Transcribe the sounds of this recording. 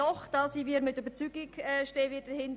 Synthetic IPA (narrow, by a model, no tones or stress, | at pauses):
ɔχd̥ɑsiːviːɛɾmɪtybəɾt͡syːɡɪkɛʃteːvɪːt̚d̥əɾhɪnd